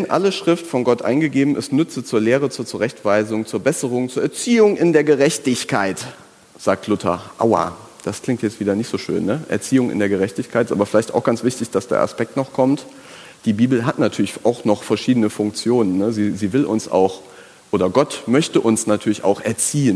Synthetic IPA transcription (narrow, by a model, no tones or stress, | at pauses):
ɛnʔa̰ləʃʁ̥ɪftfɔnɡɔtʔa̰ɪnɡəɡeːbm̩ɪ̰stnʏt͡sət͡suːɐleːʁət͡suːɐt͡suʁɛçtv̥aɪzʊŋt͡suːɐbɛsəʁʊŋt͡suːɐʔɛɐt͡siːʊŋʔɪndeːɐɡəʁɛçtɪçkʰaɪt | z̥aːk̚tʰlʊtʰɐ̰ʔa̰ʊa̰ː | d̥askl̥ɪŋktjɛt͡stv̥iːdɐnɪçtz̥oːʃø̰ːnːəʔɛ̰ɐt͡siːʊŋɪ̰ndeːɐɡəʁɛçtɪçkʰaɪtɪstʔaːbɐfɪlaɪçta̰ʊxɡ̥ant͡sv̥ɪçtɪçd̥asd̥ḛɐʔa̰spɛk̚tnɔχkʰɔmt | d̥iːbiːbl̩ɦatnatʰyːɐlɪçʔaʊxnɔχfɛɐʃiːdənəfʊŋk̚t͡sjoːnənːəziːziːvɪlʔʊnsʔa̰ʊx | ʔoːɾɐɡɔtmœçtəʔʊnsnatʰyːɐlɪçʔa̰ʊxʔɛɐt͡siːən